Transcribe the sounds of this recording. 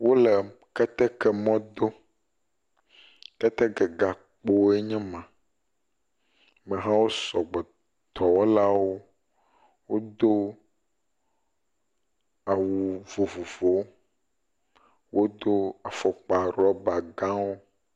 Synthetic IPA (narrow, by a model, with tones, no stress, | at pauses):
wo˦lɛ˨kɛ˦t̪ɛ˦kɛ˦mɔ̃˦d̪o˦ | kɛ˦t̪ɛ˦ɡɛ˨ɡa˨ | k͡po˦e˦ɲɛ̃˦mã˨ | mɛ̃˨ɦã˦wo˦sɔ˨ɡ͡bɛ˨ | t̪ɔ˨wo˦la˦wo˦ | wo˦d̪o˦ | a˨wu˨vo˨vo˨vo˨˦w | wo˦d̪o˦a˨fɔ˨k͡pa˨ɾɔ˦ba˨ɡã˦wo˦